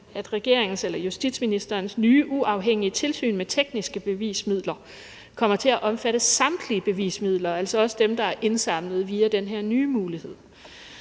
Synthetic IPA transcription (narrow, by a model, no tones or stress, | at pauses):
æd̥ʁɛɡ̥e̝ɐ̰eŋn̩selɐjusd̥id̥sminisd̥ɐːnsnyːʔuʔɑ̈ʊɦeŋ̰iət͡sʰe̝lsy̰ːnmet͡sʰeɡ̥nisɡ̥əb̥e̝ʋḭːsmið̰ˠlɐ | kʰɒ̽m̰ɐt͡sʰe̝læʔɒ̽mfæɾ̥əsɑ̈md̥liəb̥e̝ʋḭːsmið̞̰ˠlɐælsɒɒ̽səd̥emd̥ɑ̈æɐʔe̝nsɑ̈m̰nəð̞̩ˠʋiːæd̥enɦeɐ̰nyːmuːlihe̝ð̞̰ˠ